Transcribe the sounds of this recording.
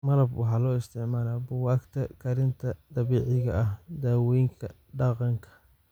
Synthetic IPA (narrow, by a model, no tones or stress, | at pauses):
mɐɾɐbwɑħɑːlɔːɪst̪ʰɪʕmaːlaːbʊwɑːkt̪ʰɐkʰɐɾɪnt̪ʰɐd̪̥ɐβiːʕɪɣɐʔɐhd̪aːwɛjŋkʰɐ | ɖɑqɑŋkʰɐ̥